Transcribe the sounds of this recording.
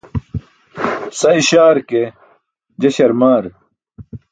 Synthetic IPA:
sɐiɕaːɾke | d͡ʑɐɕɐɾmaːɾ

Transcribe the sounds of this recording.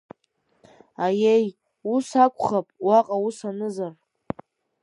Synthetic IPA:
ajej | usakʷʼχapʼwaqʼausanɨzar

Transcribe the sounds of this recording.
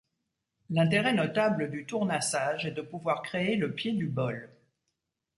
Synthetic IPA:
lɛ̃t̪eʁɛnɔt̪abləd̪yt̪uʁnasaʒɛd̪əpuvwaʁkχeeləpjed̪ybɔl

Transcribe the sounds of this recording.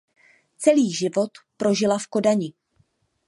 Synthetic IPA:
t͡sɛliːʒɪvo̞t̪pɾo̞ʒɪlafko̞daɲɪ

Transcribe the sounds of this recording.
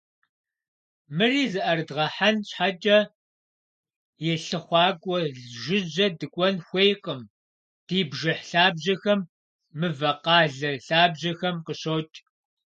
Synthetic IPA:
mɨriːzɨʔɐrɨdʁɐħanɕħat͡ʃʼɐ | jɛɬɨχʷɑːɡʷʼɔɮʒʷɪd͡ʒɐdɨkʷʼɔnxʷejqʼəm | d̥iːbʒɐħɬaːbʑɐxɐmː | ɨvɐqɑːɮɐɬaːbʑɐxɐmqəɕoːt͡ʃʼ

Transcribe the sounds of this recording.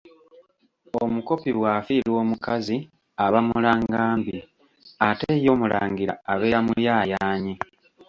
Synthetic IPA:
omuko̞piβwaːfilwo̞ːmukazi | aβamulaŋɡaːmbi | atejo̞ːmula̰ːŋɡiɾa̰ːβeːamujaːjaːɲi

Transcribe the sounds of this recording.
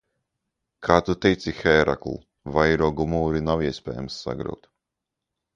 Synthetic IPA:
kʰaːt̪ut̪ɛjt̪sixɛːɾʔa̰klˠ | vajɾɔːɡumuːɾinawiɛsʲpʲɛ̰ːjamsːa̰ɡɾa̰wt̪

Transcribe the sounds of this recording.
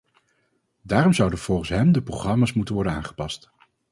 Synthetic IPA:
daːrɔmzʌwdənv̥ɔlˠχən̩sɦɛmdəproχrɑmaːsmutənʋɔɹdəna̰ːŋχə̥pɑst

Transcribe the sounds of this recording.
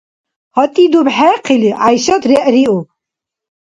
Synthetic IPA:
hɔt̪ʼid̪ubħɛqʰiliʕajʃat̪ɾɛʔɾiu

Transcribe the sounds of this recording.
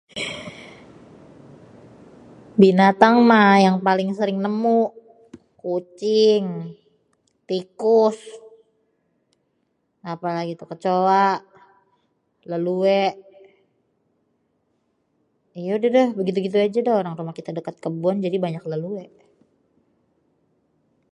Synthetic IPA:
binat̪aŋmajaŋpalɪŋsəɾɪŋnəmuʔ | kut͡ʃɪŋ | t̪ikʊs | apalaɡit̪ukət͡ʃowaʔ | ləluɛʔ | ijaudadɔhbəɡit̪̬uɡit̪̬uad͡ʒadɔhoɾaŋɾumahkit̪adəkat̪̚kəbuand͡ʒadibaɲakləluɛʔ

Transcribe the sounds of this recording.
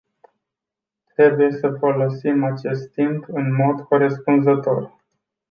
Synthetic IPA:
t̪ɾe̞buje̞səfo̞lo̞simat͡ʃe̞st̪impɨnmo̞d̪koɾespunzət̪o̞r

